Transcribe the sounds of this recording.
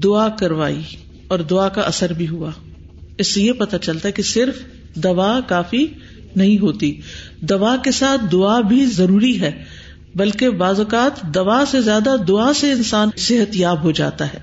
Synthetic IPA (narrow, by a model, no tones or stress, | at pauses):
d̪ʊakɐɾʋa̰ːi | ɔːɾd̪ʊakaʔɐsəɾbʱiɦuaː | ɪsːejepɐt̪at͡ʃɐlt̪aɦɛkesɪɾf | d̪ɐʋaːkaːfi | nɐɦĩɦoːt̪i | d̪ɐʋakesaːt̪̚ʰd̪ʊabʱizɐɾuːɾiɦɛː | bɐlkebaːzokaːt̪d̪ɐʋasezjaːd̪ad̪ʊaseɪnsaːnsɪɦət̪jaːbɦod͡ʒa̰ːt̪aɦɛː